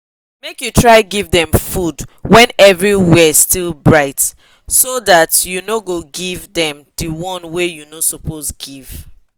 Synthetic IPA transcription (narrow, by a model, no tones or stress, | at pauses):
mekjutʰɹaɪɡivðɛ̃mfudwɛ̃nɛvɹiwɛstilˠbɹaɪt | soðatjunoɡoɡivðɛ̃mdəwɔ̃nwejunosopʰosɡiv̥